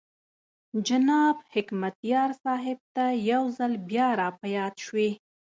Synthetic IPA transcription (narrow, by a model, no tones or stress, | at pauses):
d͡ʒanɑbhɪkmat̪jɑɾsɑɦɪb̚t̪ajawzalbjɑɾɑpajɑd̪ʃwe